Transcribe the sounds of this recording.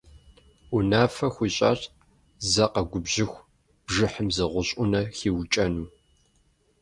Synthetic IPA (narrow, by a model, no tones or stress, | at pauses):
unaːfɐxʷiːɕʼa̰ːt | zɐqɐɡʷʊbʑɪxʷ | b̥ʒɪħəmzɨʁʷʊɕʼʊnɐxiːwt͡ʃʼɐnuː